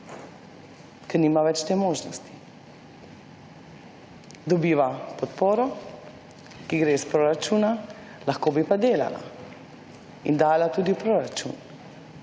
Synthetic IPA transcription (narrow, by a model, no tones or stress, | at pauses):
kɛɾniːmaʋɛt͡ʃt̪eːmoːʒnɔst̪i̥ | d̪ɔbiːʋapɔt̪poːɾɔ | kiɡɾeːspɾoɾat͡ʃuːna | laxkoːbipad̪eːla̰la̰ | ḭnd̪aːjlat̪uːd̪ipɾoːɾat͡ʃṵn